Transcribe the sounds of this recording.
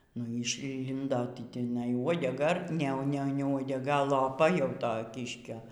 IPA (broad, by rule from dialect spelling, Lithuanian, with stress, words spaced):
nʊ iː ɪʃʲˈlʲɪndoː ˈtʲɪ tʲɪˈnɐɪ uɔdʲɛˈɡɐ ˈnʲɛ ˈnʲɛ uɔdʲɛɡɐ lˠoːˈpɐ jɛʊ ˈtoː ˈkʲɪʃʲkʲoː